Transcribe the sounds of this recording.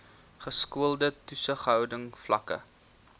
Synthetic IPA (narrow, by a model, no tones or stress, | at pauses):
χəskuəlˠdətusəχɦœwdəŋflɐkə̰